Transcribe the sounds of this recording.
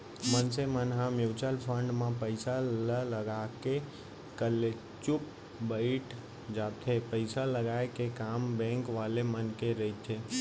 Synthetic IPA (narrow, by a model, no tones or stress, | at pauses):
mənsemənɦãmuwt͡ʃəlpʰəɳɖmãpəɪsalələɡake | kəle | t͡ʃup̚ | bəɪʈ | d͡ʒat̪ʰepəɪsaləɡaekekambɛ̃ŋkʋalemənkeɾəɦit͡ʃʰe